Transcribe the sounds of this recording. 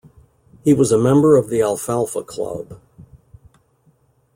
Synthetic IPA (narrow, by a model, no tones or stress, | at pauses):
hiwʌzəmɛ̃mbə˞ʌvðiælˠfælˠfəkʰl̥ʌ̰b̥